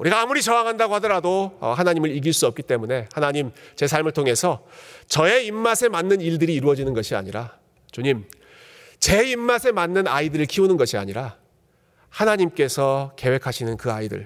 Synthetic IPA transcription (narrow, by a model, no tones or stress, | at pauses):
uɾiɡaːmuɾit͡ɕʌaŋɦandaɡohadʌɾadoʌ̰hanaɲimɯɾiɡiɭs͈uʌp̚kit͈e̞mune̞hanaɲimt͡ɕe̞sʰaɭmɯɭtʰoŋe̞sʰʌt͡ɕʌe̞imːasʰe̞manːɯniɭdɯɾiːɾuʌd͡ʑinɯnɡʌɕʰia̰ɲiɾa | t͡ɕoɲim | t͡ɕe̞imːasʰe̞manːɯnaidɯɾɯɭkʰiunɯnɡʌɕʰia̰ɲiɾa | hanaɲimk͈e̞sʰʌke̞we̞kʰaɕʰinɯnkɯaidɯ̰ɭ